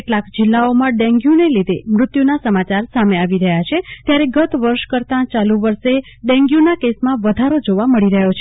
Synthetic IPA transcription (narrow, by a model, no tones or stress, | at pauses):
keʈlakd͡ʒɪlːaomãɖɛ̃ŋɡjũnelid̪ʱemɾʊt̪junasəmat͡ʃaɾsameaʋiɾəɦjat͡ʃʰet̪jaɾeɡət̪ʋəɾʃkəɾt̪ãt͡ʃaluʋəɾʃe | ɖɛ̃ŋɡjũnakesmãʋəd̪ʱaɾod͡ʒoʋaməɭiɾəɦjot͡ʃʰe̥